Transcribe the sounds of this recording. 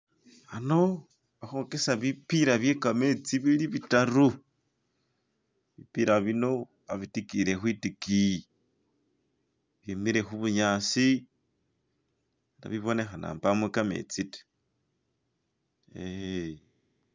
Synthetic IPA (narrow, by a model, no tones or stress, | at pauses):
ano̞ | βaxokesaβipiɾaβjekamet͡siβiliβitaɾu | βipiɾaβino̞ | aβitikiɾe̞xwitiki | βjemiɾe̞xuβuɲasi | eɾa̰βiβo̞ne̞xana̰ːmbamwekamḛt͡site̥ | e